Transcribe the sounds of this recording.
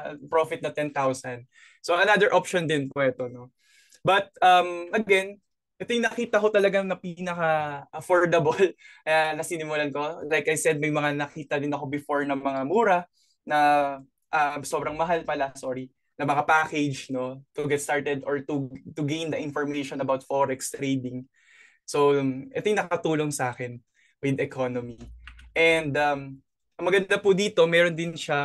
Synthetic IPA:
pɹofɪt̪̚nɐt̪ɛnt̪awsɐnd̪̚ | soʔɐnad̪ɛɹʔopʃond̪ɪnpɛt̪o̞no̞ | bɐt̪̚ʔɐmʔɐɡɛn | ʔɛt̪ojʊŋnɐkiːt̪ɐko̞t̪ɐlɐɡanɐpinɐkaʔɐfoɹd̪ɐbolanɐsinɪmʊlanko̞lajkɐjsɛd̪̚mɐjmɐŋanɐkiːt̪ɐd̪ɪnɐko̞bɪfoɹnɐmɐŋamuːɾɐ | nɐ | ʔɐso̞ːbɾɐŋmɐɦalpɐlɐsoɹi | nɐmɐŋapaːked͡ʒno̞t̪ʊɡɛt̪st̪aɹt̪ɛd̪ʔoɹt̪ut̪ʊɡejnd̪ɐʔɪ̃nfɔɹmejʃɔnɐbawt̪foɾɛkst̪ɾeːd̪ɪŋ | soʔɛt̪ojʊŋnɐkɐkɐt̪uːlo̞ŋsɐaːkɛn | wɪd̪ɛkʰonomiʔɛnd̪ɐm | ʔɐŋmɐɡɐnd̪apʊd̪iːt̪o̞mɛɾond̪ɪnʃa

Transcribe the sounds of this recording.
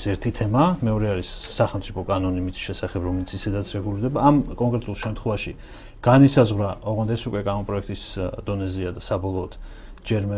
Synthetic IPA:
ɛɾt̪ʰit̪ʰɛmamɛɔɾɛaɾisːaχɛlˠmt̪sʼipʰɔkʼanɔnimit̪ʃɛsaχɛbɾɔmɛlit̪sʰisɛd̪at̪sʰɾɛɡuliɾd̪ɛbaːmkʼɔŋkʼɾɛt̪ʼulˠʃɛmt̪ʰχwɛvaʃi | ɡ̥anisazʁwɾaɔʁɔnd̪ɛsukʼwɛkʼanɔmpʼɾɔɛkʰt̪ʼisd̪ɔnɛziad̪asabɔlˠɔːt̪ʰ | d͡ʒɛɾmɛ

